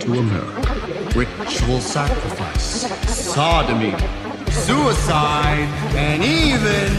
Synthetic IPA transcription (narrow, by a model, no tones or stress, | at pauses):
tʰəəmɛ̰ɹɨ̰k | ɹɪ | t͡ʃul̩ˠsækɹəfa̰ɪssɑdɨmḭ | suəsaɪɾɨ̃nivɪ̃n